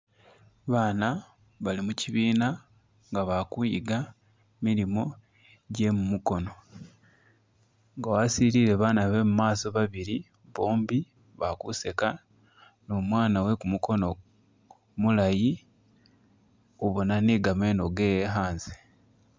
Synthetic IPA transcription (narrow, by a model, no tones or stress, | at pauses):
βaːna | βalimuciβiːna | ŋɡaβakuiɡa | miɾimo̞ | ɟe̞mumuko̞no̞ | ŋɡawasiɾiːɾe̞βaːnaβe̞mumaːso̞βaβiɾi | βoːmbi | βakuse̞ka | no̞mwaːnawe̞kumuko̞no | mulaji | oβo̞naneːɡame̞ːno̞ɡeːjeɦaːnze